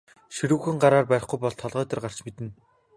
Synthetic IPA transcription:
ʃiɾŭxɘ̆ŋɢaɾaːrpæɾɪ̆χɡujpɔɮt̪ʰːɔɮʁœːt̪ə̆rɢar̥t͡ɕmet̪ɘ̆n

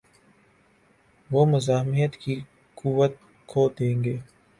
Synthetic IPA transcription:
ʋoːmʊzaːɦmijət̪ki | kuwət̪̚ | kʰoːd̪ẽːŋɡeː

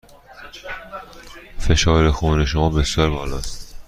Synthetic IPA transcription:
fe̞ʃɒːɾexuːne̞ʃomɒːbesjɒːɾbɒːlɒːst̪

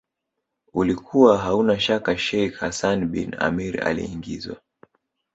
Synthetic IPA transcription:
ulikʰuwaɦaunaʃakaʃɛjkhasanɓḭna̰miɾa̰lḭːŋɡḭzwa̰

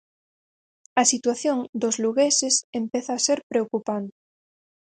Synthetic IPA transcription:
ɐsit̪waθjõŋd̪ozluɣesesempeθaːseɾpɾeokupant̪e

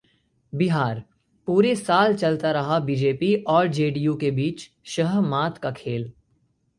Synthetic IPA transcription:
bɪɦaːɾ | puːɾesaːlt͡ʃɐlt̪aɾɐɦabiːd͡ʒeːpiɔːɾd͡ʒeːɖijukebiːt͡ʃ | ʃɐɦmaːt̪kakʰeːl

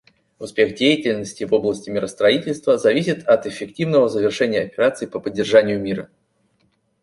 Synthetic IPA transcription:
ʊspʲe̞xdʲejɪtʲɪlʲnəsʲtʲɪvo̞blˠəsʲtʲɪmʲɪɾəst̪ɾɐitʲɪlʲst̪vəzɐvʲisʲɪt̪ɐt̪ɪfʲːɪktʲivnəvəzəvʲɪrʂɛnʲɪjəɐpʲɪɾat̪sɨɪpəpədʲːɪrʐanʲɪjʊmʲiɾə

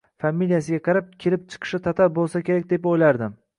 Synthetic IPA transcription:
famːilijasɪɡʲaqʰɑɾap̚kʲʰe̞lɪp̚t͡ʃʰɨ̥qʰɨ̥ʃɪt̪ʰat̪ʰaɾbolˠsakʲʰe̞ɾak̚ʲd̪e̞pojlaɾd̪ɪm

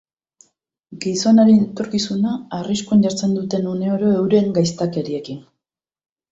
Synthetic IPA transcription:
ɡiso̞naɾenet̪o̞ɾkisunaːriskuaɲɟaɾt͡se̞nd̪ut̪e̞nune̞o̞ɾo̞e̞wɾe̞ŋɡajst̪ake̞ɾie̞kin

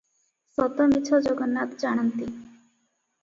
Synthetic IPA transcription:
sɔt̪ɔmit͡ʃʰɔd͡ʒɔɡɔnːat̪d͡ʒaɽ̃ant̪i

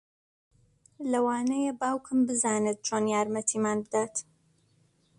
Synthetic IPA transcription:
lɐwaːnɐjebaːwkʰɨmbɨzaːnet̪̚t͡ʃʰonjaːɾmɐt̪ʰiːmaːnbɨd̪aːt̪

